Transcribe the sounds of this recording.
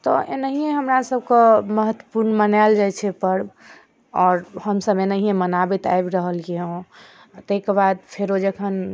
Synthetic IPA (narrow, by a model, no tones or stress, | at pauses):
t̪ɔʔḛnəɦieɦəmɾasəbkeməɦət̪wə̥puɾnmənald͡ʒajt͡ʃʰɛpəɾ | ɔːɾhəmsəbenəɦiẽmənabit̪a̰ebɾəɦəlkeõ | t̪əɦikebad̪̚pʰeɾod͡ʒekʰən